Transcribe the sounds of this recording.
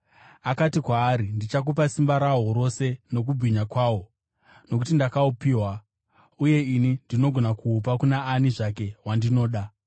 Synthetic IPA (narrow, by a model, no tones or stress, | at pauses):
akatikwaːɾindit͡ʃak̬up̬asimbaɾaɦoɾo̞se̞no̞k̬ubʱiɲakwaːwo̞ | no̞k̬utindakaupiːwa | uje̞inindino̞ɡʱo̞nakuːp̬akunaːniʐake̞wandino̞ːɗa